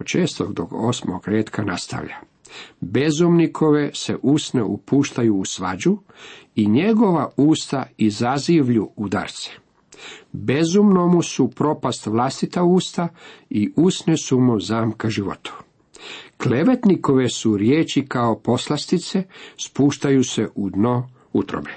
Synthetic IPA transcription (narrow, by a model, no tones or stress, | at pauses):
ot͡ʃeːst̪o̰ɡd̪o̰ɡosmo̰ɡɾeːt̪kʰanast̪a̰ʋʎa̰ | be̞zumnikʰo̞ʋe̞se̞̰ʔusne̞̰ʔupuːʃt̪ajuːsʋa̰d͡ʑu | iɲe̞ɡo̞ʋauːst̪aizaziʋʎuud̪a̰ɾt̪se̥ | be̞zumno̞musupɾo̞past̪ʋlast̪it̪auːst̪aiʔusnesumozaːmkaʒiʋo̰t̪u̥ | kleʋe̞t̪niko̞ʋe̞suɾjeːt͡ɕikaopo̞slˠast̪it̪se̞spuːʃt̪ajuse̞ʔud̪no | ut̪ɾo̰be